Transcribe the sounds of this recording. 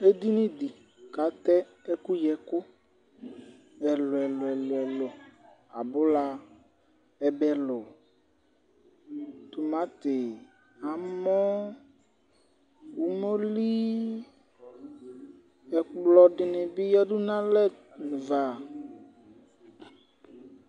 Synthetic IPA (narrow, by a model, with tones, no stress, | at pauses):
e˦d̪i˦nɪ̃˦d̪i˨ | ka˨˦t̪ɛ˦ | ɛ˦kʊ˦jɛ˨kʊ˦ | ɛ˨lʊ˨ɛ˨lʊ˨ɛ˨lʊ˨ɛ˨lʊ˨ | a̰˨bʊ˦la˨ | ɛ˨bɛ˨lʊ˨ | t̪ʊ˨mã˨˦t̪ɪ˨ | a˨mɔ̃˦ | wu˨mɔ˦li˦ | ɛ˨lɔ˨dɪ˨nɪ̃˨bɪ˦jɛ˦dʊ˦nã˦lɛ˦˨ | n˨va˨